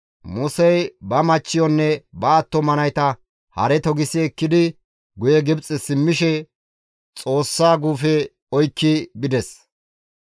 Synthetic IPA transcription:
mʊsɛjbɐmɐt͡ʃːɪjɔnːɛbɐːt̪ːɔmɐnɐjt̪ɐ | hɐ̰ɾɛt̪ɔɡɪsiɛkːɪd̪ɪ | ɡʊjɛɡɪbt͡sʼɛsɪmːɪʃɛ | t͡sʼo̞ːsːaːɡuːfɛ | ɔjkːɪbɪd̪ɛs

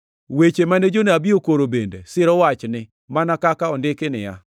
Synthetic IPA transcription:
wet͡ʃemaned͡ʒoneabiokoɾobendḛsɪɾɔwat͡ʃnɪ | manakakaɔndɪkɪnɪ̰ja̰

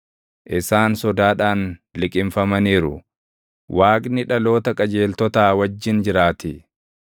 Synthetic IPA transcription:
ʔɪsaːnsɔd̪aːᶑaːnlɪkʼɪmfɐmɐniːɾʊ̰ | wʔaːkʼnɪᶑɐlo̞ːt̪ɐkʼɐd͡ʒe̞ːlt̪ɔt̪aːwɐd͡ʒːɪnd͡ʒɪɾaːt̪ɪ

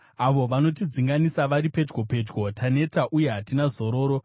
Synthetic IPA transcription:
aʋo̞ʋano̞tid͡ziŋɡanisaʋaɾiped͡ʒɡo̞pe̞d͡ʒɡo̞tʰane̞taʔuje̞ɦatinazo̞ɾo̞ːɾo

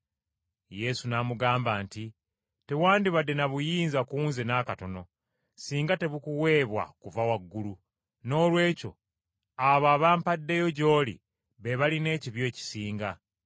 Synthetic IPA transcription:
je̞sunamuɡaːmbaːnti | te̞waːndiβadːenaβujiːnzakuːnzenaːkato̞no̞ | siːŋɡate̞βukuwe̞ːβwa̰kuvawaɡːulu | no̞ːlwe̞ːco̞̰ | aβaːβaːmpadːe̞jo̞ɟo̞ːlḭ | βeβaline̞ːciβjo̞ːci̥siːŋɡa

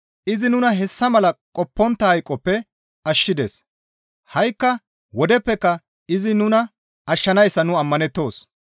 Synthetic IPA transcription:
ʔɪzɪnʊnɐɦɛsːɐmɐlɐkʼɔpːɔnt̪ːɐhɐjkʼːɔpːɛ | ɐʃːɪd̪ḛːs | hɐjkːɐ | wɔd̪ɛpːɛkːɐ | ɪzɪnʊnɐ | ɐʃːɐnɐjsːɐnʊɐmːɐnɛt̪ːo̞ːs

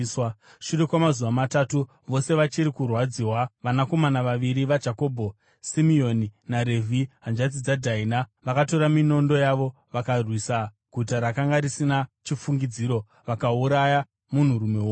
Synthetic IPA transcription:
w | ʃure̞kwamazuʋamatatu | ʋo̞se̞ʋat͡ʃiɾikurwad͡ziwaʋanako̞manaʋaʋiɾiʋad͡ʒako̞ːbʱo | simio̞ninaɾe̞vʱiɦand͡ʒad͡zid͡zadʱainaʋakato̞ɾamino̞ndo̞jaʋo̞ | ʋakarwisa | ɡ̥ʱutaɾakaŋɡaɾisinat͡ʃifuŋɡid͡ziːɾo̞ | ʋakauɾaja | mun̤uɾume̞wo

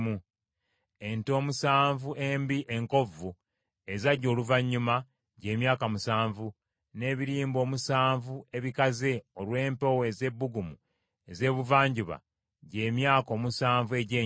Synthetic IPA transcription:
mu | e̞nto̞ːmusaːɱvuʔe̞ːmbiʔe̞ŋko̞vu | e̞zaɟo̞ːluvaɲːuma | ɟe̞ːmjaːkamusaːɱvu | ne̞ːβiɾiːmbo̞ːmusaːɱvue̞βikaze̞olwe̞ːmpoweze̞bːuɡumu | eze̞ːβuvaːɲɟuβa̰ | ɟe̞ːmjaːko̞ːmusaːɱvue̞ɟeː

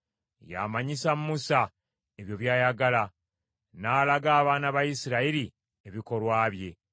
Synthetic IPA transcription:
ja̰ːmaɲisamːusa | e̞βjo̞βjaːjaɡala | naːlaɡaːβaːnaβajisiɾaiɾi | e̞βiko̞lwaːβje̞

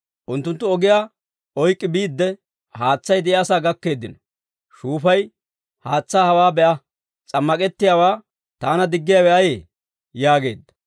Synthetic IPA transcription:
ʔʊnt̪ːʊnt̪ːʊɔɡɪjaː | ɔjkʼːɪbiːd̪ːɛ | haːt͡sːɐjd̪ɛɪaːsaːɡɐkːe̞ːd̪ːɪ̰nɔ̥ | ʃuːfɐj | haːt͡sːaːhɐwaːbɛʔɐ | t͡sʼɐmːɐkʼɛt̪ːɪjaːwaː | t̪aːnɐd̪ɪɡːɪjaːwɛʔɐjeː | jaːɡe̞̰ːd̪ːɐ̥

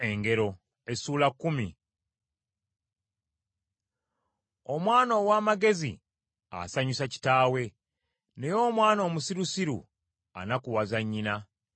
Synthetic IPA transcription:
e̞ŋɡe̞ɾo̞ | e̞suːlakːumi | o̞mwaːno̞ːwaːmaɡe̞zḭ | a̰saɲusaci̥taːwe̞ | ne̞jo̞ːmwaːno̞ːmusiɾusiɾṵ | a̰nakuwazaɲːina

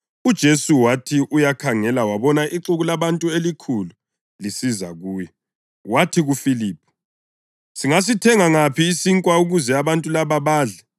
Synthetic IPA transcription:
ud̥ʒ̥ʱesuwatʰiʔujakʰaŋɛlawaβɔnaʔiǁuɣulaβantʼuelikʰulu | lisiza̰ɣuːjɔ | watʰiɣufiliːp̚ʰu̥ | siŋas̬itʰɛŋaŋapʰiːsiŋkʼwauɣuzɛaβantʼulaβaβaːɮɛ

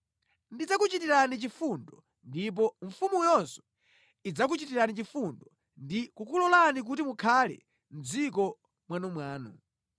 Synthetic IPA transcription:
ndid͡zakut͡ʃitiɾanit͡ʃifundɔ | ndip̬ɔɱ̩fumujɔnsɔ̥ | id͡zak̬ut͡ʃitiɾanit͡ʃifundɔ | ndikukulɔlanik̬utimukʰalɛ̰ | m̩d͡zikɔ | mwanɔmwaːnu

